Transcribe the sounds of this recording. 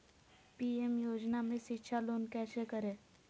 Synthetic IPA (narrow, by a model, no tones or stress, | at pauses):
piːemjoːd͡ʒnamẽʃɪtːʃʰaloːnkɛːsekəɾẽː